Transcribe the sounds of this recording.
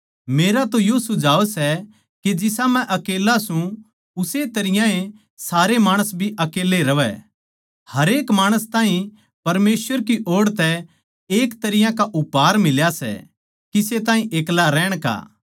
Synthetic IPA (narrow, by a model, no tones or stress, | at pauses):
meːɾat̪ojosʊd͡ʒaːosɛ | ked͡ʒɪsãmɛ̃ʔɐkeːlasũ | ʊset̪ɐɾɪjãẽ | saːɾemaːɽ̃əsbʱiʔɐkeːleɾɐʋɛ̰ | hɐɾeːkmaːɽ̃əst̪ãːɦĩ | pɐɾmeːsʋəɾkiʔoːɽt̪ɛ | eːkt̪ɐɾɪjãkaʔʊpaːɾmɪljasɛ̰ | kiset̪aːɦĩʔeːklaɾɛːɽ̃ka̰ː